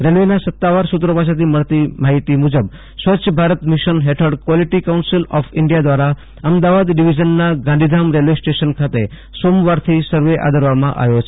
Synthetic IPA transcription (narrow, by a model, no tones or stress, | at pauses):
ɾelʋenasət̪ːaʋaɾsut̪̬ɾəpasʰet̪ʰiməɭt̪imaɦit̪imud͡ʒəb | sʋəʃʰəbʱaɾət̪miʃənɦeʈʰəɾɖkʋɔliʈikawnsilɔfɪɳɖijad̪ʋaɾa | əmd̪aʋad̪ɖiʋid͡ʒənːaɡãnd̪ʱid̪ʱamɾelʋesʈeʃənkʰat̪e | somʋaɾt̪ʰisəɾʋeʔa̰d̪ʱəɾʋamã̰ʔa̰ʋjot͡ʃʰe